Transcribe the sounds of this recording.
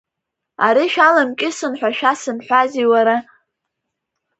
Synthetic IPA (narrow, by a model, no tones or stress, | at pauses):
aɾiʃᶣalamkʲʼɪsɨnħʷᶣaʃᶣasɨnħʷaziwaɾa